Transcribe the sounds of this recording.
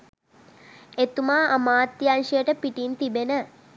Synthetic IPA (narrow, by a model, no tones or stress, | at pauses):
et̪umaːʔamaːt̪ːijanʂijəʈəpiʈint̪ibenə